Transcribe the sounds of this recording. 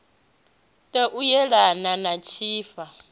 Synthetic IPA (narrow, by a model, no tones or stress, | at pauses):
tʼɛʔujɛɺananat͡ʃʰiːfa